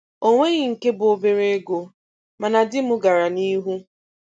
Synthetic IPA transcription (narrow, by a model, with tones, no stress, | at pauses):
o˦ŋʷe˦ɣɪ˨ŋ̩˨ke˦bʊ˨o˨be˨ɾe˦e˦ɡo˨ | ma˨na˨dɪ˦mʊ˦ɡa˨ɾa˨ni˦ɦu˦